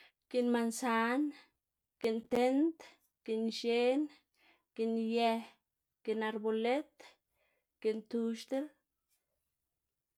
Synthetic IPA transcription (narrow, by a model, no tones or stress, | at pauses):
kenmansan | kent̪ent̪ | kenʃen | kenjɛh | kenaɾbolet̪ | kent̪uʃt̪el